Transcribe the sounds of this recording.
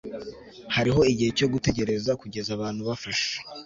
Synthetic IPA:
haɾiɦo̞iɟihe̞co̞ɡute̞ɟe̞ɾe̞zakuɟe̞zaβaːnhuβafaʃe̥

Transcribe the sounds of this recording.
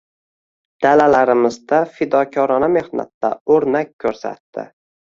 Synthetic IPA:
d̪̥alalaɾɪmɪzd̪afɪd̪ɒkʲʰɒɾɒname̞hna̰t̪ːaɵɾnakʲʰːɵɾsa̰t̪ːɪ̰

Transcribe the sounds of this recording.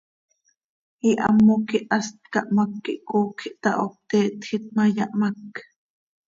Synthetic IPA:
iʔa̰mːokiʔast̪̚kɑʔmakːiʔkoːkʰiʔt̪ɑʔop̚t̪eːt̪xit̪̚majaʔmak

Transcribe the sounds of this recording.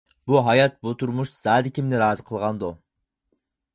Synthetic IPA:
buɦɑjɑt̪̚but̪ʰuɾmuʃz̥ɑːd̪ɪkʲʰimnɪɾɑːzɨqʰəlˠʁɑnd̪u

